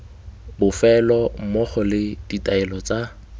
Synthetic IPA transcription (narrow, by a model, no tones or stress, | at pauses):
bʊfɛlɔm̩mɔχɔlɪd̥itʼaɛlɔt͡sa